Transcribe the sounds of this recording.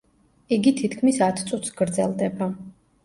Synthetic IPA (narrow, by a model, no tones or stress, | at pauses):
iɡit̪ʰit̪ʰkʰmisat̪ʰt̪sʼut̪ʰsɡɾd̪zɛ̰lˠd̪ɛba